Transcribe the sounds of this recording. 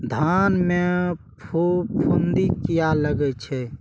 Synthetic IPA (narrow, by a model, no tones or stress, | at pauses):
d̪ʱanme | pʰupʰund̪ikijaləɡɛt͡ʃʰɛ